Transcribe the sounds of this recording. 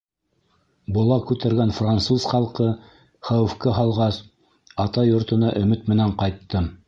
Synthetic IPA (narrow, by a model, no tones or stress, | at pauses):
bŏlˠɑkʉt̪æɾɡænfrant̪suzχɑlˠqɤ | χæwɘ̆fkɘɦɑlˠʁɑs | ɑt̪ɑjŏɾt̪ɤ̆nɑʔɵ̆mɘt̪mɘ̆næɴqɑjt̪ːɤ